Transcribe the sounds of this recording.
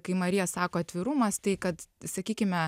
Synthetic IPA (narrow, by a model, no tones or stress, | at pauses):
kɐɪmɐɾʲɪjɛsɑːkoːɐt̪ʲʋʲɪɾuːmɐst̪ɐɪkɐt̪sɐkʲiːkʲɪmʲɛ